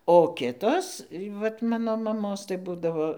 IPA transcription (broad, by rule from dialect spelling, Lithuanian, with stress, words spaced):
oː ˈkʲɪtoːs ʋɐt ˈmɑːnoː mɐˈmoːs tɐɪ ˈbuːdɐʋoː